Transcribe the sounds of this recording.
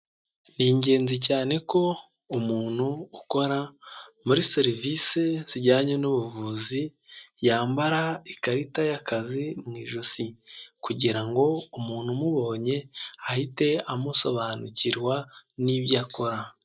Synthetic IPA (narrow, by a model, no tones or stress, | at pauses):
niɲɟe̞ːnzicaːne̞ko̞ | umuːn̥huːko̞ɾamuɾiseɾivisez̥iɾɟaːɲonuβuvuːzijaːmbaɾaikaɾitajakazimŋiːʒusikuɟiɾaŋɡo̞umuːn̥humuβo̞ːɲe̞ahite̞amuso̞βanuciɾwaniβjaːko̞ɾa